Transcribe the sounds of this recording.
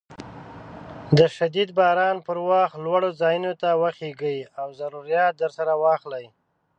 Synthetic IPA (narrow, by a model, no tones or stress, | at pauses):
d̪əʃad̪id̪bɑɾɑnpəɾwɑxt̪lwaɽozɑjunot̪awaxeɡəjawzaɾuɾijɑt̪̚d̪əɾsaɾawɑxlaj